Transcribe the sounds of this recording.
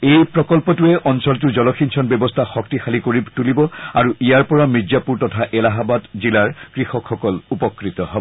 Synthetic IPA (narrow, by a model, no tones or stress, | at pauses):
ejpɹɔkɔlpɔtuɛʔɔnsɔlt̬uzɔlɔxʰinsʰɔnbɛbɔstʰaxɔk̚tixʰalikoɹitulibɔaɹuʔijaɹpɔɹamid͡ʒapuɹtɔtʰaʔɛlaɦabadzilaɹkɹixɔkʰxɔkɔlupɔkɹit̪ɔɦɔbɔ